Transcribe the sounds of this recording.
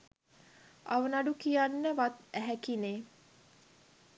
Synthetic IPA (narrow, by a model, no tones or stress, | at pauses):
aʋənaɖukijanːəʋat̪æɦækineː